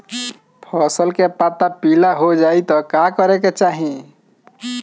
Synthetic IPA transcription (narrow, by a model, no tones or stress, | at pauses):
pʰɔsəlkepat̪apilaɦod͡ʒait̪ɔkakəɾeket͡ʃaɦi